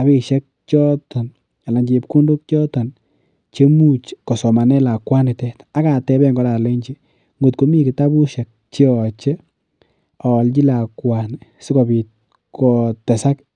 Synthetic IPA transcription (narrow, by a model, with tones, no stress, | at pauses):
a˨βi˨ʃɛ˦k̚t͡ʃɔ˦ta˨n | a˨la˨ɲd͡ʒe˨pku˦ndu˦k̚t͡ʃɔ˦ta˨n | t͡ʃe˦mu˦t͡ʃkɔ˨sɔ˨ma˨nɛ˦la˨kwa˦nɪ˨tɛ˦ta˦ka˨tɛ˦bɛ˦ŋɡɔ˦ɾa˨le˦ɲt͡ʃi˦ | ŋɡo˨t̚ko˦mi˦kɪ˨ta˦bu˦ʃɛ˨k̚t͡ʃi˦ɔ˨t͡ʃɛ˦ | ɔ˨lt͡ʃi˦la˨kwa˨n˨sɪ˦kɔ˨bi˨t | kɔ˨tɛ˨sa˦k